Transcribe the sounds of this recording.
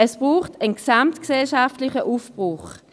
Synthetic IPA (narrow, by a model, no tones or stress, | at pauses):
ɛsb̥ʁuːχtʰənksamtksɛlʃaftlɪχəʔufb̥ʁʊχ